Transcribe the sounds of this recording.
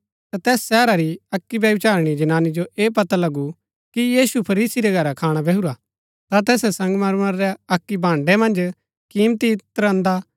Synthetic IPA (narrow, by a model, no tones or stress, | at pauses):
t̪at̪ɛːsːɛːɾaɾiɐkːibjɐʋɪt͡ʃaːɾɽ̃id͡ʒɐnaːnid͡ʒoʔeːpɐt̪alɐɡu | kijiːsupʰɐɾiːsiɾɛɡʱɐɾakʰaːɽ̃abʱɛɦuɾa | t̪at̪ɛːsɛsɐ̃ŋɡmɐɾmɐɾːɛɐkːibʱãːɳɖɛmɐ̃nd͡ʒ | kiːmt̪it̪əɾə̃nd̪a